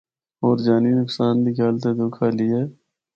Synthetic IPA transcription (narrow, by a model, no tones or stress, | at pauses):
oːɾd͡ʒaːninʊksaːnd̪iːkjaːlt̪eːd̪ʊkʰaːliːeː